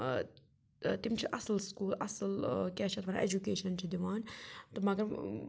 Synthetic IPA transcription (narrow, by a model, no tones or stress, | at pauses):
t̪ɪmʃiʔɑsˤlskuːlʔɑ̰sˤlkaːʃt̪ˤɑbʕaʔed͡ʒukeːʃant͡ʃad̪waːnt̪ˤɑbmːaɡɾ